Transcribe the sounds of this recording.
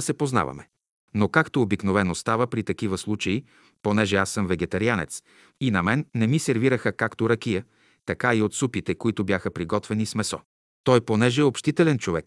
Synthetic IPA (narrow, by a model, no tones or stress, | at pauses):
sɛpozna̰vɐ̰mɛ | nokakt̪oːbiknovɛnost̪avəpɾit̪ɐkivəslˠut͡ʃɐi | ponɛʒɛasːəmvɛɡɛt̪ɐɾianɛ̰t̪s | inɐmɛnːɛmisɛɾviɾəxəkakt̪oɾɐkijə | t̪ɐkaiot̪supit̪ɛkoit̪ʊbjaxəpɾiɡɔt̪vɛnismɛsɔ̰ | t̪ɔjponɛʒɛopʃt̪it̪ɛlɛnt͡ʃovɛk̚